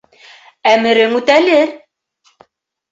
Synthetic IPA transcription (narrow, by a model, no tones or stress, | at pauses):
æmɘ̆ɾɘŋʉt̪ælɘɾ